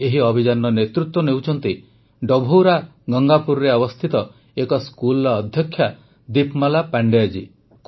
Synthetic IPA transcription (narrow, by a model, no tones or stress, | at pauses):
eɦiɔbʱid͡ʒanɔnet̪ɾut̪wɔnewt͡ʃʰɔnt̪i | ɖɔbʱoɾaɡɔŋɡapuɾɾeɔbɔst̪ʰit̪ɔ | ekɔskulːd̪ʱjɔkʰːja | d̪ipmalapaɳɖead͡ʒi | k